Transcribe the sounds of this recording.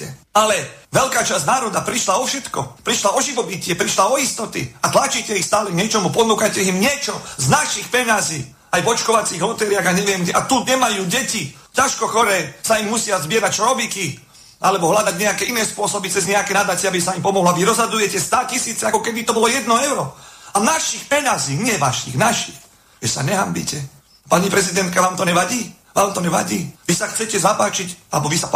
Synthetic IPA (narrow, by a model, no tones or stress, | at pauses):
ɛalɛʋɛlkaːt͡ʃaznaːɾɔd̪apɾiʃlaɔfʃɛt̪kɔ̰pɾiʃlaɔʒiʋɔbicɪɛpɾiʃlaɔist̪ɔt̪ḭat̪lat͡ʃiːcɛixst̪aːlɛɡɲɛt͡ʃɔmupɔnuːkajcɛimɲɪɛt͡ʃɔznaʃixpɛɲaziː | ajvɔt͡ʃkɔʋat͡siːɣlɔt̪ɛɾɪaɣaɲɛʋɪɛmɡɟɛʔat̪uɲɛmajuːɟɛci | caʃkɔxɔɾɛːsaimːusɪazbɪɛɾac̚t͡ʃɔɾɔbiki | alɛbɔɦlad̪aɟɲɛakɛːʔinɛːspʊɔsɔbit͡sɛzɲɛakɛːnad̪at͡ʃɪɛabisaimpɔmɔɦlɔaʋiɾɔzɦad̪ujɛcɛst̪aːcisiːt͡sɛakɔkɛd̪it̪ɔbɔlɔjɛd̪nɔɛʊɾɔanaʃixpɛɲaziːɲɪɛʋaʃḭɣnaʃix | ʒɛsa̰ɲɛɦambḭcɛ | paɲipɾɛzid̪ɛnt̪kaʋaːmt̪ɔɲɛʋaɟiː | ʋaːmt̪ɔɲɛʋa̰ɟiːʋisaxt͡sɛcɛzapaːt͡ʃicalɛbɔʋisa